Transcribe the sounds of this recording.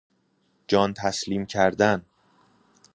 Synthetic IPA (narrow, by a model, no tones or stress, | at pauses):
d͡ʒɒːnt̪ʰæsliːmcʰæɾd̪æn